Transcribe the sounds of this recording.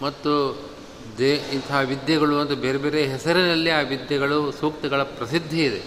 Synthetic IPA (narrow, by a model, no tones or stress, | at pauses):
mɐt̪ːu | d̪eint̪ʰɐɦɐʋid̪jɐɡɐɭuʋɐnd̪ɐbeːɾebeːɾeɦɛsɐɾinɐlːiaːʋid̪jɐɡɐɭusuːkt̪ɐɡɐɭɐpɾɐsid̪ʱːiid̪e